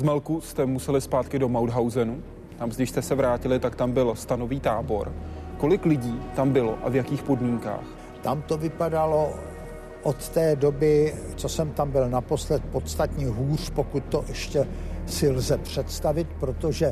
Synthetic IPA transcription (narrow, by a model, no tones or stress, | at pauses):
zmɛlkust̪ɛmusɛlɪspaːt̪kɪdo̞mawdɦawzɛnu | t̪amzdɪʃst̪ɛsɛvɾaːcɪlɪt̪akt̪ambɪlst̪ano̞viːt̪aːbo̞ɾko̞lɪklɪɟiːt̪ambɪlo̞̰ʔa̰vjakiːxpo̞dmiːŋka̰ːx | t̪amt̪o̞vɪpadalo̞ | ʔot̪t̪ɛːdobɪt͡sosɛmt̪ambɪlnapo̞slɛt̪̚po̞t̪st̪at̪ɲɛɦuːr̝̥po̞kut̪ːoʔɛʃcɛsɪlzɛpr̝̥ɛt̪st̪avɪt̪pɾo̞t̪oʒɛ